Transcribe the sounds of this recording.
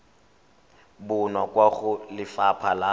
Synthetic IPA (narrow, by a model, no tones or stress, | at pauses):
bʊnakʼwaɣʊlɪfapʰala